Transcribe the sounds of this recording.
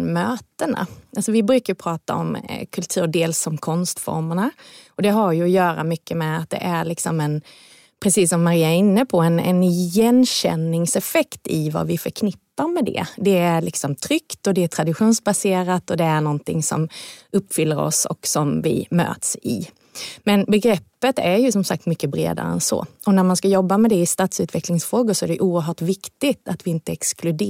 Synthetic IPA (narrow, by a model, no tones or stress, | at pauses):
møːt̪əna̰ʔalsɔvɪbɾʉːkaɾjɵpʰɾɑːt̪a̰ɔ̰mkʰɵlt̪ʰʉ̟ːɖeːlsɔmkʰɔnst̪fɔ̰ɾməɳaɔd̪ɛɦajɵɔjœːɾa̰mʏkːəmɛat̪̚d̪ɛ̰ʔæɾɭɪksɔmɛn | pʰɾɛsiːsːɔmːaɾiːaɛɾɪnːəpʰɔɛnɛ̰njɛnɕɛ̰nːɪŋsɛfɛkt̪ɪva̰vɪfœɾkʰnɪpːaɾmɛd̪ɛ̰d̪ɛæɾɭɪksɔmt̪ʰɾʏkt̪ɔd̪ɛæt̪ʰɾad̪ɪɧuːnsbaseːɾat̪ɔd̪ɛæɳɔnt̪ʰɪ̰ŋsɔ̰mɵpːfʏlːəɾɔ̰sɔ̰ksɔmvɪ̰mø̰ːt̪sɪ̰ | mɛnbɛɡɾɛpːət̪æɾjɵsɔmsa̰k̚t̪mʏkːəbɾḛːd̪a̰ɾə̰ɛ̰nsɔ̰ɔnæɾmanskajɔbːamɛd̪ɛɪst̪aːt̪sʉ̟ːt̪ʰvɛklɪŋsfɾoːɡʊʂɔæɖɛʔuːəɾɦœːʈvɪkt̪ɪɡt̪at̪vɪɪnt̪əɛksklɵd̪